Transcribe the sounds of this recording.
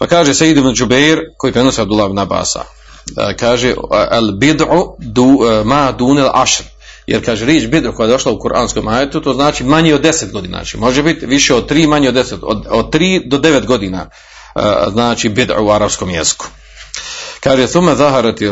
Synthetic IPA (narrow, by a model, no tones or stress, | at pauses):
pakaːʒesejid̪ibnd͡ʒubeɾko̞jiːpɾe̞no̞seabd̪ulːahibnaba̰ːsa̰ | kaːʒealbid̪ʕud̪umaːd̪uːnelʔa̰ʃɾ | jeɾkaːʒeɾeːt͡ʃbid̪ʕukoajed̪o̞ʃlˠaukuɾʔa̰ːnsko̞ːmaːjet̪ut̪oːznaːt͡ʃimaɲeod̪ːeset̪̚ɡo̞d̪iːna̰ːt͡ʃḭmo̞ʒebit̪ʋiʃeod̪̚t̪ɾiːmaɲeoːeset̪ood̪̚t̪ɾiːd̪od̪e̞ʋet̪ɡo̞d̪iːna̰ː | znaːt͡ʃibid̪ʕ̰uaɾabsko̞ːmjḛzi̥ku̥ | kaːʒeθumːaðaɦaɾat̪